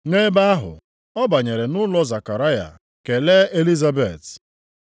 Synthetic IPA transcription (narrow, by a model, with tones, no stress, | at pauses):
ŋe˦ba˦a˦ɦʊ̰˨ | ɔ˦ba˨ɲe˨ɾe˨nʊ˦lɔ˦za˨ka˨ɾa˦ja̰˨ | ke˨le˦e˦li˦za˦be˨t